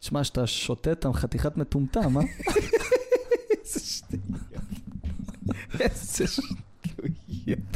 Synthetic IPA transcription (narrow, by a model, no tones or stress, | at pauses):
ʃmaʃat̪aʃot̪et̪amχat̪iχat̪met̪umt̪ama | z̥ɛʃtujot | zɛʃt̪ujot